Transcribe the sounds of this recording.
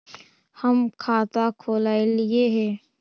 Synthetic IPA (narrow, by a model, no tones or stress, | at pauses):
həmkʰaːt̪akʰoːlaːelɪeɦɛː